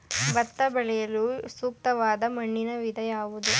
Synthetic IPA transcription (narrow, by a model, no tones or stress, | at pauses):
ʋɐt̪ːɐbɐɭɛjɐlusuːk̚t̪ɐʋaːd̪ɐmɐɳːinɐʋid̪ʱɐjaːʋud̪u